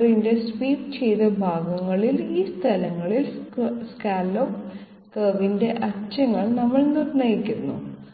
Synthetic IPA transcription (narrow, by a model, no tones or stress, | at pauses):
rinde̞spiːʈt͡ɕe̞jt̪ɐbʱaːɡɐŋːɐɭiliːst̪ʰɐlɐŋːɐɭilskaːlo | kɐːʋinde̞ʔɐt͡ɕɐŋːɐɭnɐmːɐɭnirnɐjikʲːunːṵ